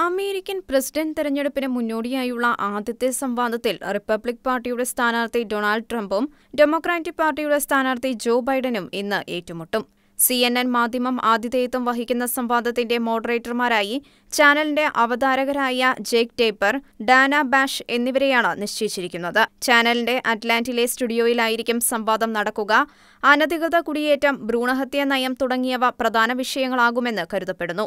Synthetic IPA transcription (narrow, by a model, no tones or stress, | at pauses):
ɐme̞ːɾikʲːɐnpresi̥ɖɐnɖt̪iɾɐɲːe̞ɽupːinɨmunːo̞ːɽijaːjuɭːɐʔaːd̪ʱjɐt̪ːjɐsɐmʋaːd̪ʱɐt̪ːilripːɐbɭik̚paːrʈːijuɽe̞st̪ʰaːnaːrt̪ido̞ːɳaːlɖʈrɐmbum | ɖe̞mo̞kraːtːipaːrʈːijuɽe̞st̪ʰaːnaːrt̪id͡ʑo̞ːbɐjɖɐnuminːɨʔe̞̰ːtːumuʈːum | sienːenmaːd̪ʱjɐmɐmaːd̪ʱjɐðeːjt̪ːumʋɐɦikʲːunːɐsɐmʋaːd̪ʱɐt̪ːinde̞mo̞ːɽɐre̞ːtːɐrmaːɾaːji | t͡ɕaːnɐlinde̞ʔɐʋɐd̪aːɾɐɣɐɾaːjɐd͡ʑekteːpːɐr | ɖaːnɐbaːʂe̞nːiʋɐɾe̞jaːɳɨniʂt͡ɕejit͡ɕːiɾikʲːunːɐðɨt͡ɕaːnɐlinde̞ʔɐʈlaːndile̞stuɽijo̞ːjilaːjiɾikʲːumsɐmbaːd̪ɐmnɐɽɐkːuɣɐ | ɐnɐd̪ikrɨðɐkuɽije̞ːtːɐmbɾuːɳɐɦɐt̪jɐnɐjɐmt̪uɽɐŋːijɐʋɐprɐd̪ʱaːnɐʋiʂɐjɐŋːɐɭaːɣume̞nːɨkɐɾuðɐpːe̞ɽunːu